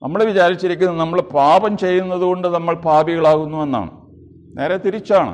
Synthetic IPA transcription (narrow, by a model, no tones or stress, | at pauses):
nɐmːɐɭeʋit͡ɕaːɾit͡ɕːiɾikʲːunːɐnɐmːɐɭpaːbɐmt͡ɕe̞jːunːɐðuɣo̞ɳɖɨnɐmːɐɭpaːbiɣɐɭaːɣunːue̞nːa̰ːɳɨ̰ | nʔe̞ːɾet̪iɾit͡ɕːaːɳɨ̰